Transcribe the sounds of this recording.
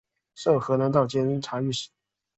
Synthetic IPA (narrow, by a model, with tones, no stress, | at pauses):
ʂo˥˩ʊxɤ˧˥na˧˥nt̪ɑ˥˩ʊt͡ɕjɛ˥˩ni˥ŋʈ͡ʂʰa˧˥y˥˩ʂ̩˨˩˦